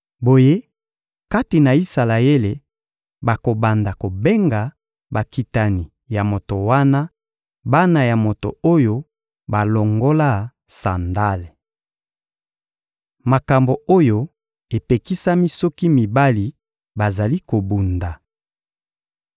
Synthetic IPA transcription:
bo˨je˦ | ka˦ti˨na˨i˦sa˨la˨e˦le˨ | ba˨ko˨ba˨nda˨ko˨be˦ŋɡa˨ | ba˨ki˨ta˨ni˨ | ja˨mo˨to˨wa˦na˦ | ba˦na˨ja˨mo˨to̰˨o˦jo˦ | ba˨lo˨ŋɡo˦la˦˨ | sa˨nda˦le˨ | ma˨ka˨mbo˨o˦jo˦ | e˨pe˨ki˦sa˦mi˦sɔ˦ki˦mi˨ba˦li˨ | ba˨za˨li˦ko˨bu˨nda˨

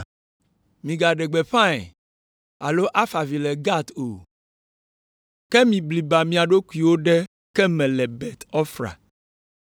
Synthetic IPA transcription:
mĩ˨ɡa˨ɖɛ˨ɡ͡bɛ˨ɸã˦ɛ̰˨ | a˨lo˦ʔa˦fa˨vi˨lɛ˨ɡa˦t̪o̰˨ | kɛ˦mĩ˨bli˨ba˨mĩ˨a˨ɖo˦ku˦i˨wo˦ɖɛ˦ | kɛ˦mɛ̃˨lɛ˨bɛ˨t̪ɔ˦fɾa̰˨

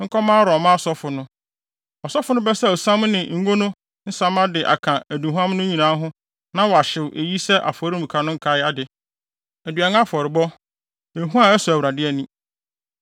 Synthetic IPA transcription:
ŋ̩˦kʰɔ˦mãː˦ɾɔ˨mã˦˨sɔ˦fʊ˨nʊ̃˦ | ɔ˨sɔ˦fʊ˨nʊ̃˦bɛ˦sɛ˦˨ɔ˨sã˦mnɪ̃˨ŋ̩˨˦ɡo˦nʊ̃˦ | n̩˦sã˦ma˦dɪ˨ʔa̰˨kʰã˨æ˨du˨ɦu˦ã˦m˦nʊ̃˦ɲĩ˨nã˨˦ɦʊ̃˦ | nã˦wɔ˨a˨ɕɪ˨wʔe˨ji˦sɛ˦ʔa̰˨fɔ˨˦ɾi˦˨u˨kʰa˨nʊ̃˦ŋ̩˦kʰa˦ja˦dɪ˨ | æ˨dɥa˨n˦a˦fɔ˨ɾɪ˨bɔ˦ | e˨ɦũ˦a˦ɛ˦sʊ˨æ˨wɾa˨dɪ˦ɛ˦˨nĩ˦

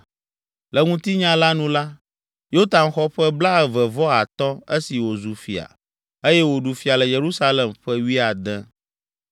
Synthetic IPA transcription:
lɛ˨ŋũ˦t̪i˦ɲã˦la˦nũ˦la˦ | jo˦t̪a˨nxɔ˦ɸɛ˦bla˦ɛ˨vɛ˨vɔ˦a˨t̪ɔ˦e˦si˨wo˨zu˨fi˨a̰˨ | e˦jɛ˦wo˨ɖu˨fi˨a˨lɛ˨je˨ɾu˦sa˦lɛ˨mɸɛ˦wi˦a˨d̪ɛ̃˦

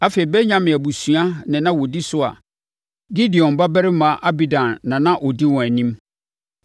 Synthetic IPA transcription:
a˦fe˨i˨bɛ˦ɲã˦mɪ̃˨æ˨bu˨su˨a˦nɪ̃˨nã˦wɔ˨di˦sʊ˦a̰˨ | ɡi˦dɪ˨ɔ̃˨m˨ba˦bæ˦ɾɪ˦mã˨˦ʔa˦bi˨dã˨nːã˨nã˦ʔɔ˨di˦wɔ̃˨æ˨nĩ˦m

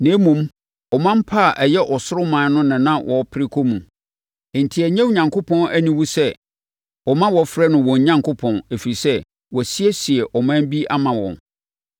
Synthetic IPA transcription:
nẽː˨˦mũ˨m | ɔ˨mã˦m̩˦pʰa˦˨ʔæ˨jɛ˦ʔɔ˨sʊ˦ɾʊ˦mãː˨˦nʊ̃˦nɪ̃˨nã˦wʔɔ˨pʰɪ˦ɾɪ˦kʰo˦mũ˨ | n̩˨tʰi˨æ˨ɲɛ̃˦wu˨ɲã˨ŋkʰo˦pʰɔ̃˦næ˦nĩ˨wu˦sɛ˦ | ɔ˨mã˦wɔ˨fɾɛ˦nʊ̃˨wɔ̃˨ɲ˦ɲã˦ŋkʰʊ˦pʰɔ̃˨ne˨fi˨i˨sɛ˦ | wɔ˨si˦ɛ˦si˨ɛ˨ʔɔ˨mã˦m˦bi˦ʔa˦mã˨wɔ̰̃˨n

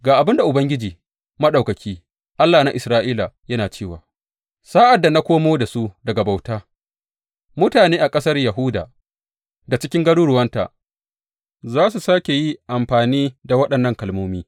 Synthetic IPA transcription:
ɡaː˨ʔa˨bɪ˦nda˨ʔʊ˨bɐ˦ŋɡʲɪ˦d͡ʒiː˨ | mɐ˦ɗa˨kɐ˨kʲiː˦ | ʔa˦lːaː˨na˦ʔɪ˨sɾaː˦ʔiː˦la˨jɐ˦naː˨t͡ʃeː˦˨waː˨ | saː˦ʔa˨dːa˨na˦kʷoː˦moː˦da˨su˦dɐ˨ɡa˨ba˨wtaː˦ | mʊ˦taː˨neː˦ʔa˨kʼɐ˦sɐ˦rjɐ˨ɦʊ˦da̰ː˨ | da˨t͡ʃɪ˦kʲɪ˦ŋɡɐ˦ɽu˦ɽʊ˦wɐ˦nta̰˨ | zaː˦s̬u˨saː˦kʲe˨ji˦ʔa˨mɸaː˨niː˦da˨wɐ˦ɗɐ˨nːɐ˦ŋkɐ˨lmoː˦miː˦

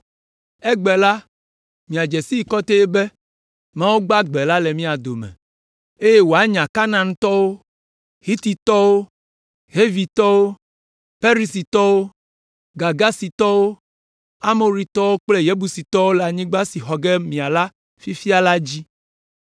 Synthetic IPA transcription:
ɛ˦ɡ͡bɛ˨la˦ | mĩ˨a˨d͡ʒɛ˨si˦i˨kɔ˦t̪e˦ɛ˦bɛ˦ | mã˦wo˦ɡ͡ba˦ɡ͡bɛ˨la˦le˨mĩ˦a˨d̪o˨mɛ̰̃˨ | e˦je˦wo˨a˦ɲã˨ka˦nã˨ŋ˦t̪ɔ˦wo˦ | hi˦t̪i˨t̪ɔ˦wo˦ | ɦe˦vi˨t̪ɔ˦wo˦ | fe˦ɾi˨si˨t̪ɔ˦wo˦ | ɡa˨ɡa˦si˨t̪ɔ˦wo˦ | a˦mo˨ɾi˨t̪ɔ˦wo˦k͡ple˦je˦bu˨si˨t̪ɔ˦wo˦la˨ɲĩ˦ɡ͡ba˦si˨ɦɔ˨ɡɛ˦mĩ˨a˨la˦ | fi˦fi˦a˦la˦d͡ʑi˦

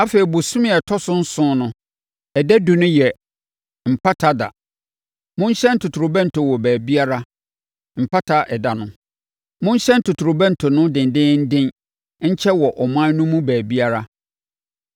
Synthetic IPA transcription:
a˦fe˨i˨bʊ˨sʊ̃˦mɪ̃˦˨ɛ˨tʰɔ˦sʊ̃˦n̩˦sʊ̃˦nʊ̃˦ | ɛ˨dɛ˦du˨nʊ̃˦jɛ˨ | m̩˨pʰa˦tʰa˦da̰˨ | mʊ̃˦n˦ɕɛ̃˦n˦tʰʊ˨tʰu˨ɾʊ˨bɛ̃˦n̩˨tʰʊ˨wɔ˨bæː˨bi˦a˦ɾa˦ | m̩˨pʰa˦tʰa˦ʔɛ˨da˨nʊ̃˦ | mʊ̃˦ɲ˦ɕɛ̃˦n˦tʰʊ˨tʰu˨ɾʊ˨bɛ̃˦n˨tʰʊ˨nʊ̃˦dɪ̃˨ndɪ̃˦n̩˦dɪ̃˦n | ɲ̩˦t͡ɕʰɛ˦wɔ˨ʔɔ˨m˦ã˦nʊ̃˦mũ˦bæː˨bi˦a˦ɾa˦

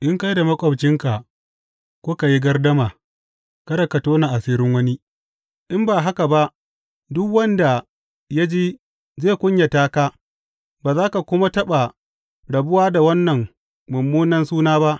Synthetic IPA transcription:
ʔɪ˦ŋka˦jda˨mɐ˦kʷʼɐ˨bt͡ʃɪ˦ŋka˨ | kʷoː˦ka˨ji˦ɡɐ˦rdɐ˦maː˨ | kɐ˦ɾɐ˨kɐ˨toː˦na˨ʔa˨siː˦ɾɪ˦ŋwɐ˦ni˦ | ʔɪ˦mbaː˨ɦa˦ka˨ba˦ʔ | dʊ˦kwɐ˦nda˨ | ja˦d͡ʒeː˦ | zeː˦˨kʷʊ˦ɲja˨taː˦kaː˦ | baː˨zaː˦ka˨kʷʊ˦ma˦tɐ˦ɓa˨ | ɽɐ˨bʊ˦waː˦da˨wɐ˦nːɐ˨ŋ | mʊ˨mːuː˦nɐ˦nsuː˦naː˦ba˦ʔ

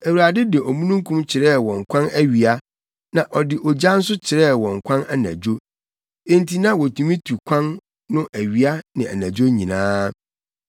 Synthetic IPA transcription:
æ˨wu˨ɾa˨dɪ˦dɪ˨ɔ˨mũ˦nũ˦ŋ˦kʰũ˦mt͡ɕʰɪ˨ɾɛ˦˨wɔ̃˨ŋ̩˨kʰʷã˦næ˦ɥi˨a˦ | nã˨ʔɔ˨dɪ˨ʔɔ˨d͡ʑa˦n̩˦s̬ʊ˦t͡ɕʰɪ˨ɾɛ˦˨wɔ̃˨ŋ̩˨kʷʰã˦na˦næ̰̃˨d͡ʑo˦ | ẽ˦nti˦nã˦wɔ˨tʰu˨mĩ˦tʰu˨kʷʰã˦nː | ʊ̃˦ʔæ˨ɥi˨a˦nɪ̃˨æ̰˨næ̃˨d͡ʑo˦ɲĩ˨nãː˦

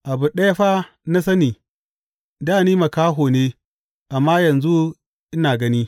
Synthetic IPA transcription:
ʔa˨bʊ˨nɗɐ˦ja˦ɸaː˦ | na˦sɐ˦niː˨ | daː˦˨niː˦ma˨kaː˦ɦoː˨neː˦ | ʔa˨mːa˦jɐ˨nzu˦ | ʔɪ˦naː˨ɡɐ˦niː˦

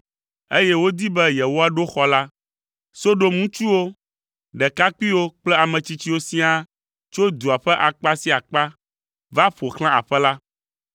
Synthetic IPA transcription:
e˦jɛ˦wo˦d̪i˦bɛ˦jɛ˨wo˦a˦ɖo˦xɔ˦la˦ | so˦ɖo˦mũ˦t͡ʃu˦wo˦ | ɖɛ˨ka˦k͡pi˦wo˦k͡plɛ˦a˨mɛ̃˨t͡ɕi˦t͡ɕi˦wo˦sĩ˦a˦ | t͡ʃo˦d̪u˨a˨ɸɛ˦ʔa˨k͡pa˦si˦a˨k͡pa˦ | va˦ɸo˨xl̃ã˦a̰˨ɸɛ˦la˦

